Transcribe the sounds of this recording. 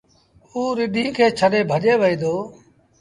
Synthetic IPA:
uːɾɪɗĩːkʰeːt͡ʃʰəɗeːbʱəʄeːʋəiːd̪oː

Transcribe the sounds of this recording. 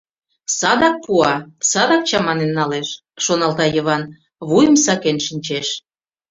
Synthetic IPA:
sɑd̪ɑk̚puɑsɑd̪ɑk̚t͡ɕɑmɑnenːɑleʃ | ʃonɑlt̪ɑjə̆βɑn | βujə̆msɑkenʃənʲt͡ɕeʃ

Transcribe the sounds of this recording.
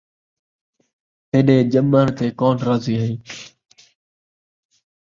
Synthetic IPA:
t̪eːɗẽːd͡ʒəməːnt̪eːkoːnɾaːziːɦəĩː

